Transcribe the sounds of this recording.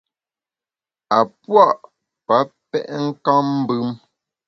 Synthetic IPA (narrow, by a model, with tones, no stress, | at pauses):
a˨pwa˦˨ʔ | pa˨˦pɛ˦ʔŋ̩˦ka˦mm̩˦bʉ˦m